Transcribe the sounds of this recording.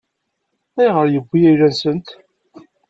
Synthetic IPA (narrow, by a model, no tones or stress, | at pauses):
æjʁəɾjəɡʷːijæjɾænsənt̪